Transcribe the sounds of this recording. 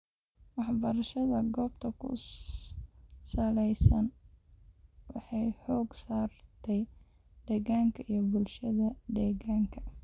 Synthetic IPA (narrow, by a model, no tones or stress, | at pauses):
wɑħbɐɾɐʃɐðɐɡɔːbt̪ʰɐkʰʊ̰ | sɐlɛjsɐn | wɑħɑjhɔːɡsaːrt̪ʰɛj | d̪̥ɛːɣaːŋkʰɐʔijɞbʊlʃɐðɐd̪ɛːɣaːŋkʰɐ̥